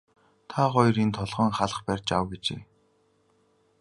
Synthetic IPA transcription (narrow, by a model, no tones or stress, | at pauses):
t̪ʰaχɔj̆rint̪ʰɔɮʁœːŋχaɮə̆χpærʲt͡ɕawɡet͡ɕḛː